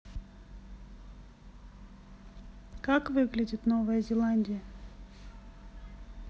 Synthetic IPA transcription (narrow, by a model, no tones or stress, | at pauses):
kakvɨɡlʲɪdʲɪt̪novəjəzʲɪlˠanʲdʲɪjə